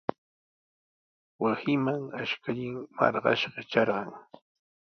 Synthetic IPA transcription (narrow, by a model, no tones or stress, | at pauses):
wasɪmaŋaʃkaʎɪŋmɑ̰ɾɢɑ̰ʃɢɑt͡ʃɑɾɢɑŋ